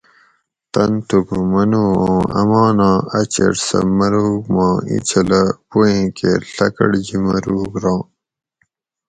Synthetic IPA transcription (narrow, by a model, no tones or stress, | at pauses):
t̪ɐnt̪ukumɐnuːõːɐ̰mɑːnɑ̃ːɐt͡ɕɐ̰ɽsɐ̰mɐɾuːɡmɑ̃ːḭt͡ɕʰɐlɐpuẽːkeɬɐkɐ̰ɽd͡ʑimɐɾuːɡɾɑ̃ː